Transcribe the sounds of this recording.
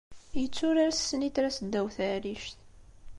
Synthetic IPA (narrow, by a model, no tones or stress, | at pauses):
jət͡sːʊɾaɾasːənit̪ɾasəd̪ːæwθæɾiʃt̪